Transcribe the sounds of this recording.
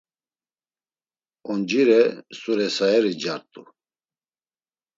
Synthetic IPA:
ɔnd͡ʒiɾɛsuɾɛsaɛɾid͡ʒaɾt̪ʼu

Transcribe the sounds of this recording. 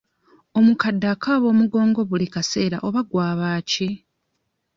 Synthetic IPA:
o̞mukadːakaːβo̞ːmuɡo̞ːŋɡo̞βulikase̞ːɾa̰ʔo̞βaɡwaːβaːci

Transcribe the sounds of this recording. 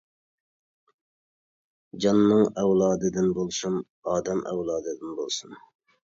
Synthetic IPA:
d͡ʒɑnːɨŋɛwlˠɑːd̪ɨd̪ɪnbolˠsum | ɑːd̪ɛmʔɛ̰wlˠɑːd̪ɨd̪ɪnbolˠsun

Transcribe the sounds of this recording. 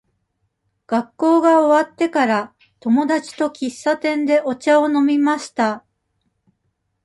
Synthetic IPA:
ɡ̥akːo̞ːɡaoβat̪ːe̞kaɾa | t̪o̞mo̞d̪at͡ɕi̥t̪o̞kʲisːat̪ẽ̞nd̪e̞ʔo̞t͡ɕao̞no̞mʲimaɕi̥t̪a

